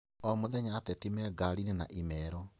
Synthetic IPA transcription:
ɔmoðɛɲaːtɛtimɛɡaɾinena̰ʔimɛɾɔ

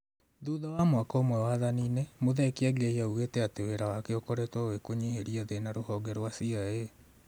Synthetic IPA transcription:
ðuðawamwakaomwɛwaðaninɛmoðɛkeɛɡɛiauɣetɛateweɾawakeokɔɾetwɔwekoɲeheɾiaðenaɾohɔɡɛɾwasiae

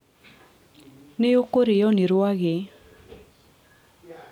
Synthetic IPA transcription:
nejokoɾɪjɔnɪɾʊaɣɪ

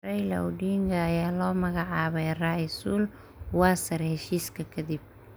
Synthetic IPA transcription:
rɐjlɐ̰wɖiːŋɡʰɐːjaːlɔːmɐɣɑʕɑːβɛjraːjɪsuːl | wɑːsɐrhɛʃiːskʰɐkʰɐd̪ib̚

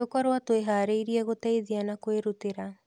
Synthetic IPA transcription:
okwaɾwatoeɦaːɾeiɾiɛɣotɛiðianakweɾuteɾa

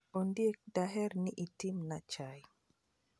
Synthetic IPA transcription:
ondiɛk̚d̥aɦɛɾniʔitimnat͡ʃaj

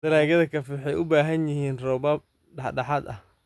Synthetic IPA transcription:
d̪̥ɐɾaːɣɐðɐkʰɐfwħɑjʔʊbaːɦɐnjɪhiːnrɔbɐb̚ | ɖɑħɖɑħɑd̪ɐh

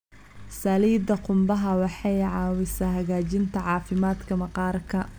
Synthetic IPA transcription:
sɐliːd̪ɐqʊmbɐɦɐwɑħɑjʕɑːwɪsaːɦɐɣaːt͡ʃɪnt̪ʰɐʕɑːfɪmaːd̪kʰɐmɐqɑːrkʰɐ

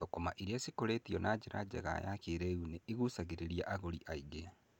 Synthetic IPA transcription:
tokomaʔiɾeasikoɾetiɔnad͡ʑeɾa̰d͡ʑɛ̰ɣa̰jakeɾɛuneiɣusaɣeɾeɾiaʔaɣoɾiʔaiɡe

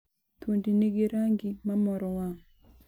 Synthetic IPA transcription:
t̪ondineɡeɾaŋɡimamɔɾɔwaŋ

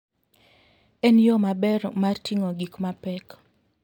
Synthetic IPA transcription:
ɛnjɔmabɛɾmartʰiŋoɡikmapɛk

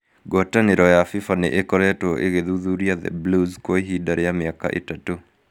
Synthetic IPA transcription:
ɡɔtaneɾɔjafifanḛʔekɔɾɛtɔʔḛɣeðuðuɾjaðɛ̰bluzkoeɦidaɾejamɪaka̰ʔḛtato

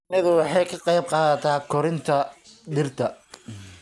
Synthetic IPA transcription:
nɐðʊwɑħɑjkʰɐqɑjb̚qɑːðɐt̪ʰaːkʰɔɾɪnt̪ʰɐɖɪrt̪ʰɐ

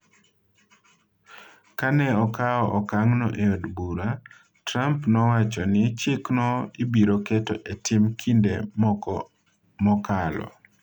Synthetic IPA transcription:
kanɛɔkaɔʔɔkaŋnɔʔeɔdbuɾa | tɾampnɔwat͡ʃɔnɪt͡ʃɪknɔibiɾɔkɛtɔ̰ʔetɪmkʰindem | mɔkalɔ̰

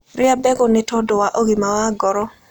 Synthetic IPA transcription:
rɪabɛɡɔnɛtɔdɔwaʔoɡimawaɡɔɾɔ

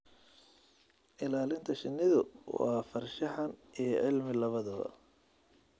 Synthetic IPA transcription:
ʔɪlaːlɪnt̪ʰɐʃɪnːɪðʊwɑ̰ːfɐrʃɐħɐnʔijɞʕɪlmɪlɐβɐðɔː

